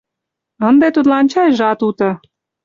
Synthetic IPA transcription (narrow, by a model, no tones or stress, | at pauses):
ə̆nd̪et̪ut̪lɑnt͡ɕɑjʒɑt̪ut̪ɤ̆